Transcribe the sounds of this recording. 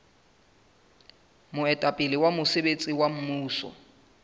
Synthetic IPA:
mʊɛtʼapʼɪlɪwamʊsebet͡sʼiwam̩muːsɔ̰

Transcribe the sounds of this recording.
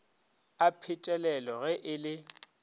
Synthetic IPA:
apʰɪtʼɛlɛlɔɣɛʔɪlɪ

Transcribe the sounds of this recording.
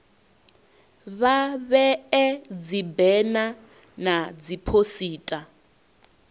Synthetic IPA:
βaβɛɛd͡zibɛna | nad͡zipʰosiːtʼa

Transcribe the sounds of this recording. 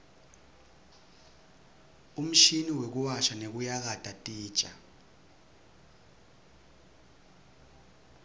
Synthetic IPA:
um̩ʃiniwek̬uwaʃanek̬ujak̬ad̥ʼatʼi̥ːt͡ʃʼa

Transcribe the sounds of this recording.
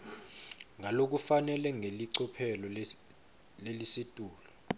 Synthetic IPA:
ŋʱalok̬ufanɛlɛŋʱeliǀɔpʰɛlɔ | lelisitʼuːlɔ

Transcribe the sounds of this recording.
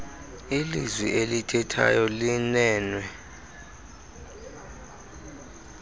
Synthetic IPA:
ilizwiʔelitʰɛtʰa̰jɔlinɛːnwɛ

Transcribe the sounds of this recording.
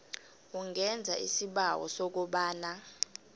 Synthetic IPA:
uŋɛnd͡zʱa̰ʔisiɓawɔ̰sɔk̬uɓaːna

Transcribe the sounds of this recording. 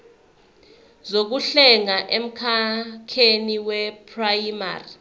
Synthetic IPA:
zok̬uɬɛŋaʔem̩kʰakʰeniwɛpʰrajma̰ri

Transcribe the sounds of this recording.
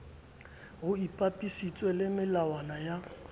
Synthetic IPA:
ɣʊipʼapʼisit͡sʼwɛlɪmɪlawanaja

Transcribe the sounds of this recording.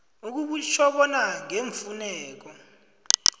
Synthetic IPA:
uk̬uɓut͡ʃʰɔɓɔnaŋeɱfunɛːk̬ɔ

